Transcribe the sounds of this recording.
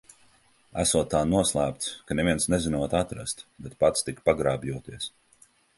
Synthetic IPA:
æ̰suɔt̪ːaːnuɔslˠæːp̚t̪skanevʲiɛnsnɛzinuɔt̪at̪ɾast̪bɛt̪̚pat̪st̪ikpaɡɾaːbjuɔt̪iɛs

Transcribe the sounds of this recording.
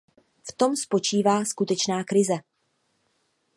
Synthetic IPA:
ft̪o̞mspo̞t͡ʃiːvaːskut̪ɛt͡ʃnaːkɾɪzɛ

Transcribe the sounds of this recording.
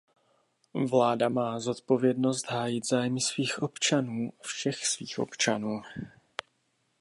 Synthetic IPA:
vlaːdamaːzo̞t̪po̞vjɛdno̞st̪ɦaːjɪt̪zaːjmɪsviːxʔo̞pt͡ʃanuːfʃɛxsviːxo̞̰pt͡ʃanuː

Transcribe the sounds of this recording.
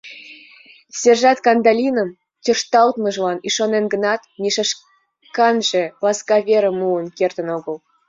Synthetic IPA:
sʲerʒɑt̪kɑnd̪ɑlʲinə̆m | t͡ɕʲɤ̆ʃt̪ɑlt̪mə̆ʒlˠɑniʃɑnenɡə̆nɑt̪nʲiʃɑʃ | kɑnʒĕlɑskɑβʲeɾə̆muənkʲert̪ə̆noɡə̆lˠ

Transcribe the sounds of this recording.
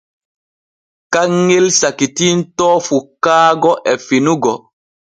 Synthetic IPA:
kaŋːelsakitin̩tɔːfukaːɡɔʔɛfinuɡɔ

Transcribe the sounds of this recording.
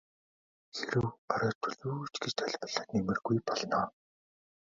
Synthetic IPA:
xeɾɘ̆wɔɾɔːt̪ʰɵɮuːt͡ɕɡet͡ɕt̪ʰœɮʲpɔ̆ɮɞ̆ːt̪nemɘ̆rɡujpɔɮnɔː

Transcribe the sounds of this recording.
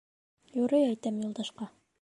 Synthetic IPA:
juɾɤjæjt̪æmjulˠd̪ɑʃqɑ

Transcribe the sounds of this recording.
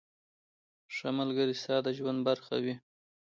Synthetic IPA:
ʂamalɡaɾisɑd̪aʒwand̪baɾxa̰wi

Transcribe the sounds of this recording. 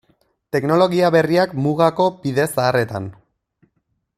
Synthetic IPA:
t̪e̞kno̞lo̞ɣiaβe̞riakmuɣako̞biðe̞saːre̞t̪a̰n

